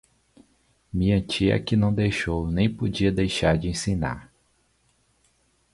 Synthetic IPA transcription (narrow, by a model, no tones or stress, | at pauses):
mĩɐ̃t͡ʃiɐ̰kɪnɐ̃w̃d̪ejʃownẽj̃pod͡ʒiɐd̪ejʃaɾd͡ʒɪẽsĩna̰ɾ